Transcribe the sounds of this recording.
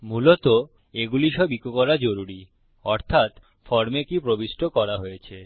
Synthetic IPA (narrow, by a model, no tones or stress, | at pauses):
mulot̪o | eɡuliʃɔbikokɔɾad͡ʑoɾuɾi | ɔɾt̪ʰat̪ | fɔɾmekipɾobiʃʈʰokɔɾaɦojet͡ɕʰe